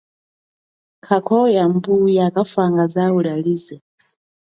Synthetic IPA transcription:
kʰakʰɔjambujakafaŋɡazawuɺaliːzɛ

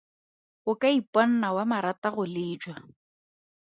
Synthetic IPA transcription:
ɣʊkʼaipʼɔn̩nawamaɾataɣʊlɪːd͡ʒwa

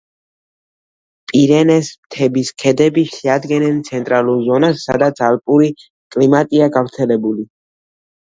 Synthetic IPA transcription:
pʼiɾɛnɛsmt̪ʰɛbiskʰɛd̪ɛbiʃɛad̪ɡɛnɛnt̪sʰɛnt̪ʼɾaluɾzɔnasːa̰d̪at̪sʰalpʼuɾi | kʼlimat̪ʼiaɡafɾt̪sʰɛlɛbuli

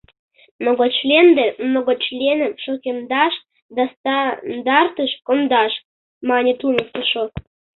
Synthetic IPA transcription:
mnoɡot͡ɕlʲend̪emnoɣot͡ɕlʲenəmʃokʲend̪ɑʃ | d̪ɑst̪ɑnd̪ɑrt̪əʃkond̪ɑʃ | mɑnʲet̪unəst̪əʃo

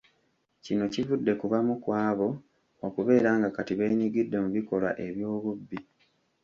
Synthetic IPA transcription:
cino̞civudːe̞kuβamukwaːβo̞ː | kuβe̞ːɾaːŋɡakatiβe̞ːɲiɡidːe̞muβikolwa̰ʔe̞βjo̞ːβubːi

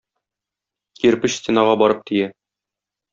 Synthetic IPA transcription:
kiɾpɘɕst̪ʲenɑʁɑbɒɾɤp̚t̪ijæ

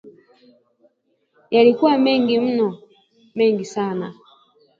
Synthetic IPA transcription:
jalikuamɛŋɡim̩nɔ | mɛŋɡisana

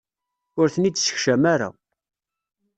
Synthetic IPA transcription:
ʊɾθənid̪sə̥çʃæmaɾa̰

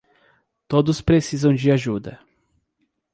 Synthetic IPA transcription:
t̪od̪ʊspɾesizɐ̃w̃d͡ʒɪaʒud̪ɐ

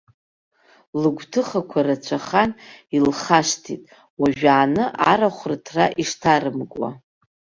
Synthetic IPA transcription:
lɨɡʷtʰɨχakʷʰarat͡ɕʷʰaχanilχaʂtʰitʼ | waʒᶣaːnɨʔaɾaχʷrtʰraʔiʂtʰarɨmkʼwa̰

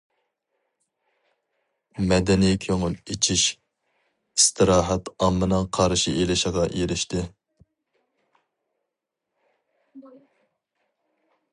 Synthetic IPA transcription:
mɛd̪ɛnijɛkʲʰøŋʊlet͡ʃʰiʃ | ist̪ʰɨɾɑːɦɑt̪ɑmːɨnɨŋqʰɑɾʃiʔelɪʃɪʁɑʔjeɾɪʃt̪ɪ

